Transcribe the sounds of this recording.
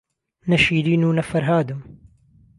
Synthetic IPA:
nɐʃiːɾiːnuːnɐfɐɾɦaːd̪um

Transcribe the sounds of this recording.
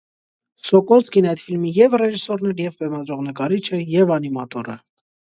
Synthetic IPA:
sɔkɔt͡skinɑjt̪filmijɛvrɛʒisɔɾnɛɾjɛvbɛmɑd̪ɾɔʁnəkɑɾit͡ʃʰəjɛvɑnimɑt̪ɔɾə̰

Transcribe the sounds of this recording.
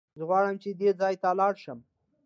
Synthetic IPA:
zəɣwɑɽəmt͡ʃed̪ed͡zɑjt̪alɑɽʃəm

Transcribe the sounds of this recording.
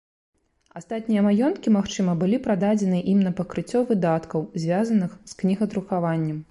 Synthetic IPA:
ast̪at̪ʲnʲijɐmajɔnt̪kʲimaxt͡ʂɨmɐbɨlʲipɾad̪ad͡zʲɛnɨʔimnɐpɐkɾɨt͡sʲːɔvɨd̪at̪kɐwzʲvʲazɐnɨxsknʲiɣɐt̪ɾuxavanʲːɐm

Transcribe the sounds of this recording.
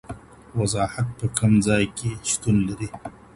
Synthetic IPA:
wazɑːhat̪̚pəkʰamzɑjkʰeʃt̪unlaɾi

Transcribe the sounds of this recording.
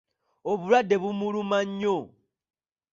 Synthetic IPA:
oβulwadːe̞βumulumaɲːo

